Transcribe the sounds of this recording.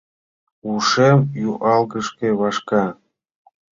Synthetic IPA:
uʃemjuʔɑlɣəʃkeβɑʃkɑ

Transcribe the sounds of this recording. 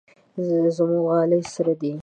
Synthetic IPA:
zmuɣɑːləsaɾad̪i

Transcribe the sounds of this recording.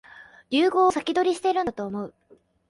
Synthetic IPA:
ɾʲɨːɡo̞ːsakʲid̪o̞ɾʲiɕi̥t̪eɾɯ̟nt̪o̞ːmo̞ɯ̟

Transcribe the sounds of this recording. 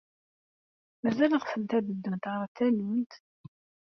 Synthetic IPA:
mæzæləʁfənt̪æðəd̪ːənt̪ʁəɾˤt̪ːælimt̪

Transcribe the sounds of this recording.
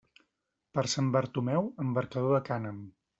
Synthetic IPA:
pəɾsambəɾt̪umɛwəmbəɾkəðoðəkanəm

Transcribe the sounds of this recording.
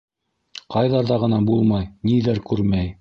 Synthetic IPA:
qɑjðɑɾðɑʁɤ̆nɑbulˠmɑjniðæɾkʉɾmæj

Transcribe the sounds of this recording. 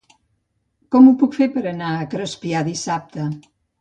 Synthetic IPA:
kɔmupukfeɾpəɾənaəkɾospiaðisap̚t̪ə

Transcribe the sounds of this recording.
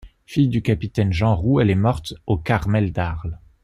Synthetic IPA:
fijd̪ykapit̪ɛnʒɑ̃ʁuɛlɛmɔʁt̪okaʁmɛld̪aʁl

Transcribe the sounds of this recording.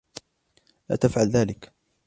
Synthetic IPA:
la̰ːt̪afʕalðaːlɪk

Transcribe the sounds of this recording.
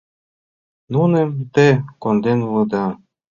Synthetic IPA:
nunə̆mt̪ekond̪enulɤ̆d̪ɑ

